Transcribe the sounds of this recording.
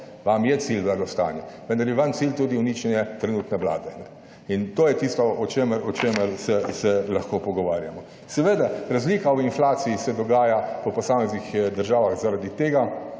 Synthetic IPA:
ʋamjɛt̪silblaːɡ̪ɔst̪a̰ːnjɛʋə̃nd̪aɾjɛʋamt̪silt̪uːd̪iunit͡ʃɛnjɛt̪ɾɛnuːt̪nɛʋla̰ːd̪ɛanɛ | int̪oːjɛt̪ist̪ɔɔt͡ʃeməɾɔt͡ʃeːməɾsɛsɛlaxkoːpɔɡɔʋaːɾjamɔ | sɛʋeːd̪aɾazliːkaɔinflaːt̪siisɛd̪ɔɡaːjapɔpɔsaːmɛznixd̪əɾʒaːʋaxzaɾad̪it̪eːɡa

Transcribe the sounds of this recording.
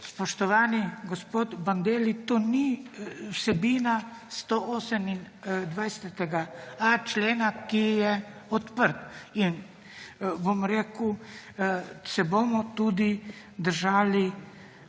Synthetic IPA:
spɔʃt̪ɔʋaːniɡospoːt̪band̪eːlit̪oːniwsɛbiːna | st̪oʔoːsɛmin | d̪ʋajsɛt̪ɛɡaat͡ʃleːnakijɛɔt̪pəɾt̪in | bomɾeːku | sɛbomɔt̪ud̪i | d̪əɾʒaːli

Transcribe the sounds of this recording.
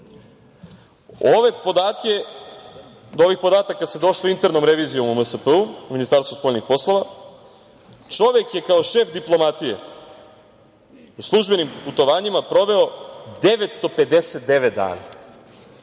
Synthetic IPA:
oʋe̞pod̪aːt̪ke | d̪oo̞ʋixpo̞d̪aːt̪akːase̞d̪o̞ʃloint̪eɾnomɾe̞ʋiːzijo̞mməsəpəuuminist̪aːɾst̪vuspo̞ːʎʲnixpo̞slˠo̞ʋa | t͡ʃo̞ʋe̞kje̞kao̞ʃe̞ːfd̪iplˠo̞mat̪ije̞̰ | uslˠuʒbe̞nimput̪o̞ʋaːɲimapɾo̞ʋe̞o̞d̪eʋet̪st̪o̞pe̞d̪e̞set̪̚d̪e̞ʋet̪̚d̪a̰ːna̰

